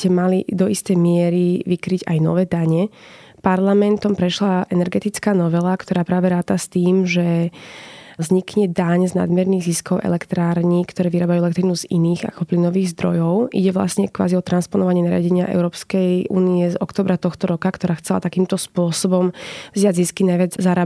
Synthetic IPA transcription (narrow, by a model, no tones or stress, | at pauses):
cɛmalid̪ɔist̪ɛjmɪɛɾiʋikɾiɟajnɔ̰ʋɛːd̪aɲɛ | paɾlamɛnt̪ɔmpɾɛʃlaʔɛnɛɾɡɛt̪it͡skaːnɔʋɛlakt̪ɔɾaːpɾaːʋɛɾaːt̪ast̪iːmʒɛ | zɲikɲɛd̪aɲzna̰d̪mjɛɾniːɣziskɔʊʔɛ̰lɛkt̪ɾaːɾɲikt̪ɔɾɛːʋiɾaːbajuɛlɛk̚t̪ɾinuzḭniːɣa̰kɔplinɔʋiːɣzd̪ɾɔ̰jɔʊʔḭɟɛʋla̰sɲɛkʋa̰ːziɔt̪ɾanspɔnɔʋaɲɪɛnaɾɪa̰ɟɛɲɪa̰ʔɛ̰ʊɾɔːpskɛjṵːniɛzɔkt̪ɔːbɾat̪ɔxt̪ɔɾɔkakt̪ɔɾaːxt͡sɛla̰t̪akiːmt̪ɔspʊɔsɔbɔmvzɪaɟziskinajʋɪad͡zzaɾaː